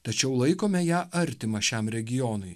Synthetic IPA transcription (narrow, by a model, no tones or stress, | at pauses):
t̪ɐt͡ʃʲɛʊlˠɐɪkoːmʲɛjæːʔɐɾʲt̪ʲɪmɐʃʲɛmɾʲɛɡʲɪjɔːnʊɪ